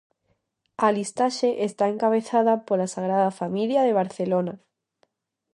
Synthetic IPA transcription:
alist̪aʃeʔest̪aẽŋkaβ̞eθaðapolasaɣ̞ɾaðafamiljaðeβ̞aɾθelona

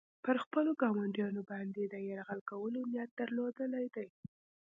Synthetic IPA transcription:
pəɾxpəloɡɑmaɳɖjɑnobɑnd̪ed̪əjaɾɣalkawəlonjat̪̚d̪̥əɾlod̪əlajd̪aj

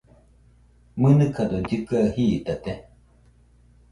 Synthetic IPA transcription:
mɨnɨkad̪od͡ʒɨkahit̪at̪e

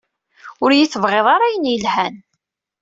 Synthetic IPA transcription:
ʊɾjəθəvʁeðˤɑɾajənjəlhæn

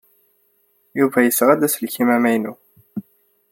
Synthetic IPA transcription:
juvæjəsːʁæd̪æslkimæmæjnu

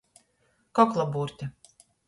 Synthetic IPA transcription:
kɔklˠabuːɾt̪ʲɛ

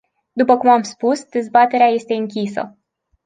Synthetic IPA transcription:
d̪upəkumamspusd̪e̞zbat̪e̞ɾeaje̞st̪e̞ɨŋkʲisə̰

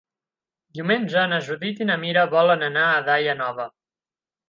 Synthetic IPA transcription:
d̪iwmenʲd͡ʒəːnəʒuðit̪inəmiɾəβɔlənənaːðajənɔβ̞ə

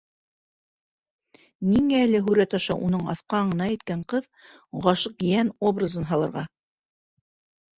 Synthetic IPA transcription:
niŋæːlɘɦʉɾæt̪ɑʃɑʔunɤɴɑ̰θqɑɴɤ̆nɑjɘ̆t̪̚kæɴqɤð | ʁɑʃɤqjæno̞brɤ̆zɤnɦɑlˠɤ̆ɾʁɑ

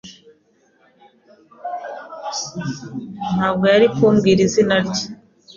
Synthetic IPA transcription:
n̥haːb̚ɡo̞jaɾikuːmɡiɾizinaɾɟi̥

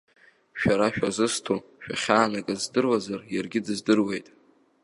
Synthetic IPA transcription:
ʃᶣaɾaʃᶣazɨstʰoʃᶣa̰χʲaːnakʼazdɨrwazarjarɡʲɪdɨzdɨrwe̞jtʼ

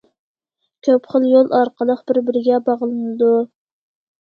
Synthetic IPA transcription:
kʲʰøpχəlˠjolˠʔɑɾqʰəlˠəq̚bɪɾbɪɾɪɡʲɛbɑʁlˠɨnnɨd̪u

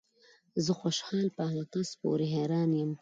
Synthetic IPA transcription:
zəxoʃhɑːlpəalɑq̪aspo̰ɾeɦeɾɑːnjəm

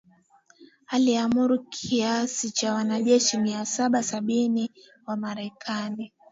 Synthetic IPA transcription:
aliamuɾukʰiasit͡ʃawanaʄɛʃimiasaɓasaɓini | wamaɾɛkʰani

